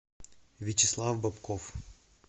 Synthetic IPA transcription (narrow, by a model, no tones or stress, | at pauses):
vʲɪt͡ɕɪslˠafbɐpkof